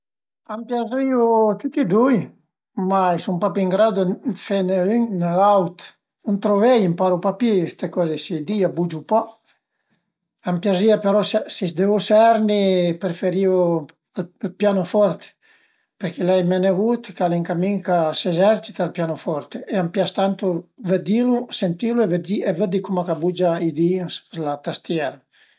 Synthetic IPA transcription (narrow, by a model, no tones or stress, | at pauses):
ampjaziut̪ut̪id̪uj | maisumpapiiŋɡɾad̪ufɛneynnalawt̪ | unt̪ɾovɛjimpaɾupapest̪ekɔzesid̪iabud͡ʒupɔ | ampjaziapeɾɔssisd̪evusɛɾnipɾefeɾio | allpjanofɔɾt̪e̥ | peɾkilɛjmenevut̪kaliŋkamiŋkasezɛɾt͡ʃi̥t̪alpjanofɔɾt̪eʔeampjast̪ant̪uvəd̪ilusent̪iluevəd̪ievəd̪ikumakabud͡ʒaid̪isslat̪ast̪jɛɾa